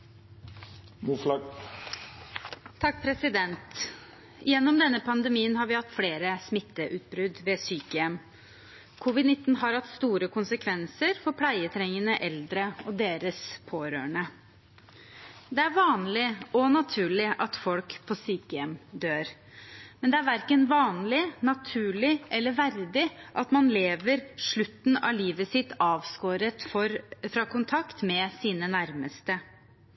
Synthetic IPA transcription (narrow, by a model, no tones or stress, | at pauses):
muf | t̪ʰɑk̚ːpʰɾɛsɪd̪ɛnt̪ | jɛnːɔmd̪ɛnːəpʰɑnd̪əmiːənhɑɾʋɪhɑt̪ːfleːɾəsmɪt̪ːəʔʉːt̪̚bɾʉd̪ʋɛsyːkəjɛm | kʰʊʋɪd̪nɪt̪ːn̩ɦɑɾhɑt̪ːst̪uːɾəkʰʊnsəkʰʋɛnsəɾfɔɾpʰlæɪət̪ʰɾɛŋənəʔɛld̪ɾəɔd̪eːɾəspʰoːɾø̰ːəɳə | d̪ɛæɾʋɑːnlɪɔnɑt̪ʰʉːɭɪʔɑt̪fɔlkpʰɔsiːkjɛmd̪øːɾ | mɛnd̪ɛæɾʋæɾkənʋɑːnlɪnɑt̪ʰʉːɭɪʔɛlːəɾʋæɾd̪ɪʔɑt̪mɑnleːʋəɾʂɭʉt̪ːn̩ɑ̰liːʋəsɪt̪ːɑːʋskoːɾət̪fɔɾfɾɑːkʰʊnt̪ʰɑkt̪mɛsiːnənæɾməst̪ə